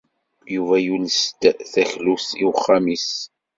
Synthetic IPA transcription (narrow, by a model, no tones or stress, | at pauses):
juvæjulst̪θæçlusiwχːamis